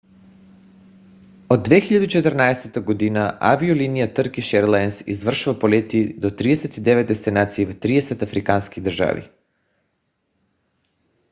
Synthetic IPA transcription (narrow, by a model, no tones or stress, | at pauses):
od̪ːvɛxiʎad̪uit͡ʃɛt̪ərnaɛsɛt̪aɡod̪inaʔa̰viulinijat̪əɾkiʃɛɾlˠaɛnsḭzvr̩ʃuvapolɛt̪id̪ot̪ɾiɛsɛt̪id̪ɛvɛt̪̚d̪ɛst̪inat̪siːvt̪ɾiɛsɛt̪afɾikanskid̪r̩ʒa̰vḭ